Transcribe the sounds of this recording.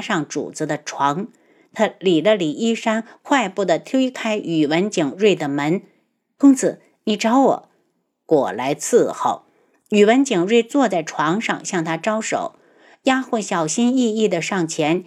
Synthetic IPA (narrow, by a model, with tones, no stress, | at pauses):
ʂɑ˥˩ŋʈ͡ʂṵ˨˩t͡s̩˧˥d̪ə˧ʈ͡ʂʰwɑ˧˥ŋ | t̪ʰa˥li˨˩d̪ə˦li˨˩i˥˩ʂa˥nkʰwa˥˧ɪpu˥˩d̪ə˩t̪ʰe˥kʰa˥ɪʔy˨˩wə˧˥nt͡ɕi˨˩ŋɻwe˥˩ɪd̪ə˩mə˧˥n | kʊ˥ŋt͡sʰɹ̩˧˩ | ni˧˩ʈ͡ʂɑ˧˥ʊwɔ̰˨˩˦ | kwɔ̰˨˩la˧˥ɪt͡s̩ʰ˥˩xo˥˩ʊ | y˨˩wə˧˥nt͡ɕi˨˩ŋɻwe˥˧ɪt͡swɔ˥˧t͡sa˥˩ɪʈ͡ʂʰwɑ˧˥ŋʂɑ̰˥˧ŋɕjɑ˥˩ŋt̪ʰa˥ʈ͡ʂɑ˥ʊʂo̰˨˩˦ʊ | ja˥xwə˥˩nɕjɑ˨˩ʊɕi˥ni˥˧i˥˩d̪ə˩ʂɑ˥˩ŋt͡ɕʰjɛ˧˥n